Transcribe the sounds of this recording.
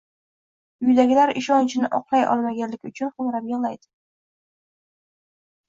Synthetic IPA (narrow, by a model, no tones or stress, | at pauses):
ʊjd̪aɡʲɪlaɾɪʃɒnt͡ʃʰɪnɪʔɒqlˠajɒ̰lˠmaɡʲanlɪkʲʊt͡ʃʰʊnχʊmɾapjoʁlˠajd̪ɪ̥